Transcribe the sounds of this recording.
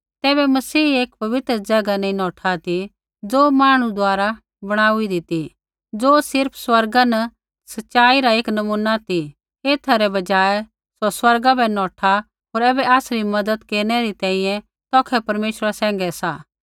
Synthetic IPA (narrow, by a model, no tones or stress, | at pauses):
t̪ɛːbɛmɐsiːeːkpɐʋɪt̪ɾəd͡ʒɐɡanẽĩnɔːʈʰat̪i | d͡zoːmaːɽ̃ũd̪ʊaːɾa | bɐɽ̃aːuid̪it̪i | d͡zoːsɪɾpʰswɐɾɡanɐ | sɐtːʃaːiɾaeːknɐmuːnat̪i | eːt̪ʰaɾɛbɐd͡ʒaːɛ | soswɐɾɡabɛnɔːʈʰa | ɦoːɾɛːbɛaːsɾimɐd̪əd̪keːɾɽ̃ɛɾit̪ɛ̃ːĩjɛ̃ | t̪ɔːkʰɛpɐɾmeːʃɾasɛ̃ːŋɡɛsaː